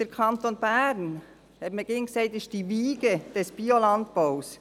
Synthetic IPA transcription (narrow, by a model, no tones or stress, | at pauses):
d̥əɾkʰɑnt̪onbæɾn | hɛbməɡɪːnkseɪtɪʃ̚d̥iviːɡəd̥ɛsb̥iolɑntpaʊs